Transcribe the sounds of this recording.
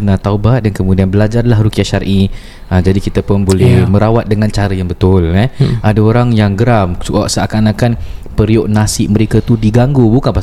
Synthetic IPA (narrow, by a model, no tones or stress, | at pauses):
nat̪aubat̪̚dankəmudianbəlad͡ʒarlahrukiaʃaɾʔi | əd͡ʒadikit̪apʊnbolɛhmə̃ɾawat̪̚dəŋant͡ʃaɾəjaŋbət̪ʊlɛadaoɾaŋjaŋɡəɾamsua̰ʔsəʔakanakanpəɾjoʔnasɪʔ̚mə̃ɾekat̪udiɡaŋɡubukanpa